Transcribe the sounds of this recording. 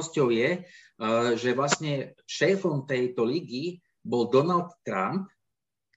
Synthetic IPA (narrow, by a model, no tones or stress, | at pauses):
scɔʊjɛ | ʒɛʋlasɲɛʃɛːfɔmt̪ɛjt̪ɔliɡi | bɔld̪ɔnalt̪ːɾa̰mp̚